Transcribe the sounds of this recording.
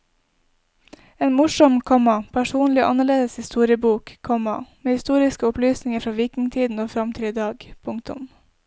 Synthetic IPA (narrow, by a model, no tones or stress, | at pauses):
eːnmʊʂɔmkʰɔmɑpʰæʃuːnlɪʔɑnəɭeːd̪əshɪst̪uːɾɪəbuːkkʰɔmɑ̰meːhɪst̪uːɾɪskəʊplyːsnɪŋəfɾɑːʋiːkɪŋt̪ʰiːd̪n̩oːfɾɑmt̪ʰɪliːd̪ɑːɡpʰʊŋkt̪ʊ̰m